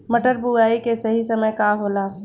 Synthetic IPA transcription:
mɐʈəɾbʱuaːikesɐɦisɐməjkaɦoːlaː

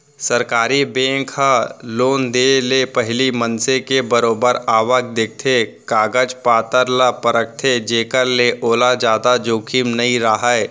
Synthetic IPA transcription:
səɾkaːɾibẽːkaloːnd̪eːlepəɦɪlimənsekebəɾoːbəɾaːʋək̚d̪ek̚t̪ʰe | kaːɡəd͡ʒpaːt̪əɾlapəɾək̚t̪ʰed͡ʒeːkəɾleʔoːlad͡ʒaːd̪ad͡ʒoːkʰimnɐɦĩɾaɦaɛ

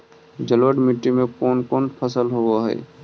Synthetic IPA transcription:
d͡ʒəlʋəɖmiʈːimẽkoːnkoːnpʰəsəlɦoaɦɛ̰ː

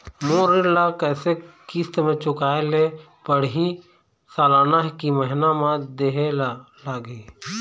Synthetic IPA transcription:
moːɾɪlakɛːsekist̪mẽt͡ʃʊkaːele | pəɽ̤ɦĩ | saːlaːnaɦkiməɦɪnamãd̪eɦel | laːɡi

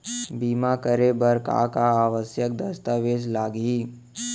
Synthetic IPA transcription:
biːmakəɾebəɾka̰kaaːʋəsjək̚d̪ɐst̪aʋeːslaːɡiː

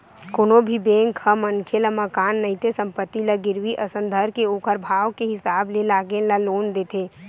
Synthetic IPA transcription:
koːnobʱibẽːŋkhəmənkʰelaməkaːnːəit̪esə̃mpət̪ːilaɡɪɾʋiʔəsə̃nd̪ʱəɾkeoːkʰəɾbʱaːʋkeɦɪsaːblelaːɡelaloːnd̪eːt̪ʰeː

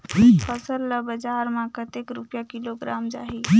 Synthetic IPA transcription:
fəsəlːəbɐd͡ʒaːɾmãːkət̪ekɾʊpjakiloɡɾaːmd͡ʒa̰ːɦi

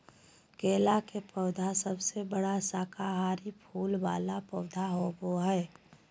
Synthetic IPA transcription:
keːlakepɔːd̪ʱasəbsebəɽasaːkʰaɦaːɾipʰuːlbaːlapɔːd̪ʱaɦoboɦɛː

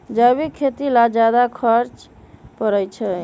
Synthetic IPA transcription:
d͡ʒajbikʰːet̪ilad͡ʒad̪akʰəɾt͡ʃ | pəɾəjt͡ʃʰɛ

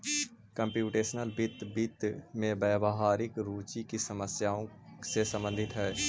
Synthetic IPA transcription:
kəmpjuːʈeːʃnəlbɪt̪bɪt̪mẽbɛːbəɦaːɾɪkɾuːt͡ʃikisəməsjaːõsesə̃mbə̃nd̪ʱɪt̪ɦɛː

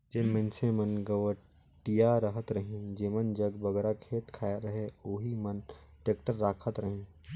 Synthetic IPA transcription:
d͡ʒeːmə̃nsẽmɐnɡəʋə | ʈijaɾəɦət̪ɾəɦĩd͡ʒeːmənd͡ʒɐɡbɐɡɛːɾakʰeːt̪kʰaːɾɐɦeoːɦimənʈeːkʈəɾːaːkʰət̪ɾəɦĩː

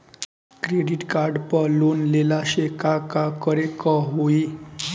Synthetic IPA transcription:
kɾeɖiʈkaɾɖpəlonlelaɕekakakəɾekəɦoi

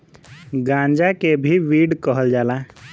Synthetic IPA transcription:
ɡãːɲd͡ʒakebʱiʋiːɽkəɦəld͡ʒaːla

